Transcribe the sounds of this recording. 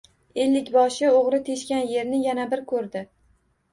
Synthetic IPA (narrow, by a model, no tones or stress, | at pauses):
e̞lːɪkʲbɒʃɪoʁɾɪt̪ʰe̞ʃkʲanje̞ɾnɪjanabɪɾkʰɵɾd̪ɪ